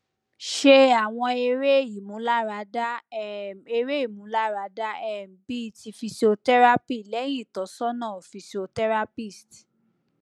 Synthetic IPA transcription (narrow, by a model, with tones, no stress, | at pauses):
ʃe˦˧a˨w̃ɔ̃˧e˧ɾe˦˨i˨mũ˨˦la˦ɾa˧˦da˦ | e˧ɾe˦i˦˨mũ˨˦la˦ɾa˨˧da˦ɛ˦˨m̩˨bi˦˧ti˧fi˧so˧tɛ˦ɾa˦pi˦˨lɛ˨˦j̃ĩ˦˨tɔ˨˦sɔ˦nãː˦˨fi˧se˧o˧tɛ˦ɾa˦pi˦˨st